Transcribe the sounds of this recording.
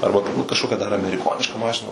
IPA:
ˈɐrbɐ ˈtʊrbuːt kɐʃˈkoːkʲɛ dɐr ɐmʲɛrʲɪˈkoːnʲɪʃkɐ ˈmɑːʃʲɪnɐ

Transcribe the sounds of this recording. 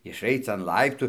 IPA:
ɪʃˈɐɪt͡s ɐn ˈlˠɐɪptuː

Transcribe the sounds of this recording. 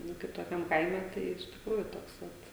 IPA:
ˈnʊ kɐɪp toːˈkʲɛm ˈkɐɪmʲɛ ˈtɐɪ ɪʃ tʲɪkˈruːjʊ ˈtoːks ˈʋɐt

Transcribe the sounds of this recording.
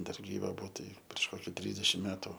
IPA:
ˈdɐr ɡʲiːˈʋɐ ˈbʊʋoː ˈtɐɪ pʲrʲiɛʃ ˈkoːkʲɪ ˈtʲrʲiːzʲdʲɛʃʲɪm ˈmʲæːtʊ

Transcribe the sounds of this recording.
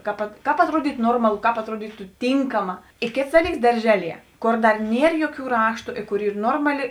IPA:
ˈkɐp ˈkɑːp ɐtˈruɔdʲiːtʊ ˈnoːrmɐlˠʊ ˈkɑːp ɐtˈruɔdʲiːtʊ ˈtʲiːŋkɐmɐ ɪ ˈkʲeːts ˈdɑːˌlʲiːks dɐrʲˈʒʲæːˌlʲiɛ ˈkoːr ˈdɐr ˈnʲiɛr ˈjoːˌkʲuː ˈrɑːʃtʊ ɪ ˈkʊr ˈiːr ˈnoːrmɐˌlʲɪ

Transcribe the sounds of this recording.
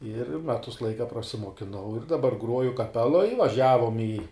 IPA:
ɪr ˈmʲæːtʊs ˈlˠɐɪkɐ prɐsʲɪmuɔkʲɪˈnɐʊ ɪr dɐˈbɐr ˈɡruɔjʊ kɐˈpʲæːlˠoːj ʋɐˈʒʲæːʋoːm iː

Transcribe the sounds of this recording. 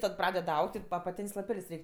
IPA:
tɐt ˈprɑːdʲɛt ˈɐʊkʲtʲ ɐpɐˈtʲeːnʲsʲ lˠɐˈpʲɛlʲsʲ ˈrʲɛɪkʲ

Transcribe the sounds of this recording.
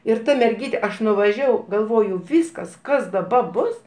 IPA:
ɪr ˈtɐ mʲɛrʲˈɡʲiːtʲɛ ˈɐʃ nʊʋɐˈʒʲæːʋɐʊ ɡɐlˠˈʋoːjʊ ˈʋʲiːskɐs ˈkɐs dɐˈbɐ ˈbʊs

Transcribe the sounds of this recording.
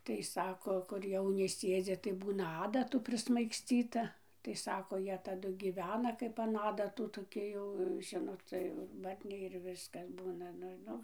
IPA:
ˈtɐɪ ˈsɑːkoː kʊr ˈjɛʊnʲɪ ˈsʲeːd͡zʲɪ tɐɪ ˈbuːnɐ ˈɑːdɐtuː pʲrʲɪsmɐɪksʲˈt͡sʲiːtɐ tɐɪ ˈsɑːkoː ˈjiɛ tɐˈdʊ ɡʲiːˈʋʲæːnɐ ˈkɐɪp ɐn ˈɑːdɐtʊ toːˈkʲɪ jɛʊ ˈʒʲɪnoːt ˈt͡sʲɛ jɛʊ ɪr ˈbɐrʲnʲɛɪ ɪr ˈʋʲɪskɐs ˈbuːnɐ ˈnʊ ˈnʊ

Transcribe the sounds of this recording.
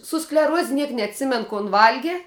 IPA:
sʊ sklʲɛˈruɔsʲ ˈnʲiɛk nʲɛɐtʲˈsʲɪmʲɛn koːn ˈʋɐlʲɡʲɪ

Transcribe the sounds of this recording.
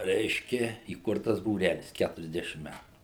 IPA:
ˈrʲɛɪʃʲkʲɛ iːˈkʊrtɐs buːˈrʲælʲɪs ˈkʲætʊrʲɛzʲˌdʲæːʃʲɪm ˈmʲætʊ

